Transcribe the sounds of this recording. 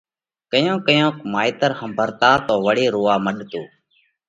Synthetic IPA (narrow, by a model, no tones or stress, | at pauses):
kəjõːkəjõːkmaːiːt̪əɾhəmbʱəɾt̪aːt̪oːʋəɽeːɾoːaːməɗt̪oː